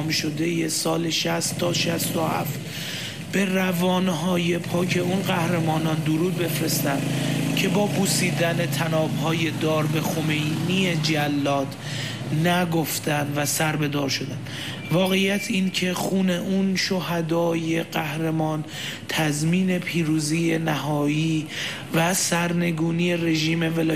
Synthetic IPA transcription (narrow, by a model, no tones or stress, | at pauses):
mʃo̞d̪e̞je̞sɒːle̞ʃæst̪ːɒːʃæst̪o̞hæ̰ft̪ | b̥e̞rævɒːnɦɒːje̞pʰɒːcʰe̞unɢæhɾe̞mɒːnɒːnd̪oɾuːd̪̚be̞fɾe̞st̪ænd̪cʰe̞bɒːpʰusiːd̪æne̞t̪ʰænɒːbhɒːje̞d̪ɒːɾbe̞xo̞me̞jnied͡ʒælːɒːd̪ | næɡo̞ft̪ænd̪væsæɾbe̞d̪ɒːɾʃo̞d̪æn | vɒːɣe̞jːæt̪ʰiːncʰe̞xuːne̞ʔunʃo̞hæd̪ɒːje̞ɢæhɾemɒːn | t̪ʰæzmiːne̞pʰiːɾuːziːje̞næɦɒːiː | væsæɾne̞ɡuːniːe̞re̞ʒiːme̞velː